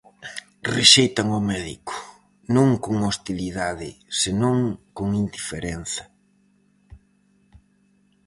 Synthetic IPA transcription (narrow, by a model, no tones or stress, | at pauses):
reʃejt̪aŋʊmɛðḭkʊ̥ | nõŋkoŋost̪iliðaðɪ̰senõŋkoŋind̪ifeɾɛn̟θɐ̥